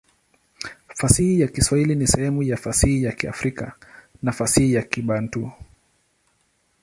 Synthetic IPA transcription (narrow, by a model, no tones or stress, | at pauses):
fasihijakiswahilinisɛhɛmujafasihijakia̰fɾikanafasihijakiɓan̩tu